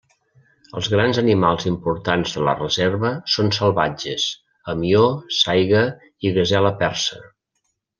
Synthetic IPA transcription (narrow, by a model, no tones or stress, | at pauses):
əlˠzɣɾanzənimalˠzimpuɾt̪anzðələ̰rəzeɾβəsonsəlˠβad͡ʒəs | əmiosajɣə | iɣəzɛləpɛrsə